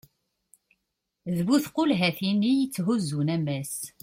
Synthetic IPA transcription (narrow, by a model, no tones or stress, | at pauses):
ðβuθqʊlɦæθinijət͡sːɦuzːunæmæs